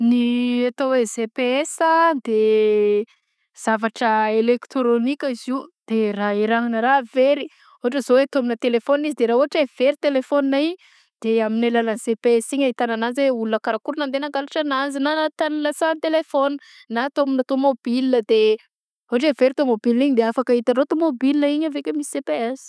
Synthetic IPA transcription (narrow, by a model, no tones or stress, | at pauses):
niat̪owezepeesəd̪e | z̥avaʈ͡ʂəelekt̪ɾonikʲəiziud̪̥eraiɾaŋnəɾaveɾi | uɦaʈ͡ʂəzowet̪oaminət̪elefonizid̪eɾauɦaʈ͡ʂev̥eɾit̪elefoninai | d̪̥eaminelalansepesiɲait̪anananzweulunəkaɾakuɾunand̪enaŋkalaʈ͡ʂananzinaat̪anilasant̪elefon | nat̪ominət̪omobilinəd̪e | uɦaʈ͡ʂeveɾit̪omobilniɲd̪eafakait̪aɾot̪omobilinəiɲavekʲəmisi̥sepeaz̥i̥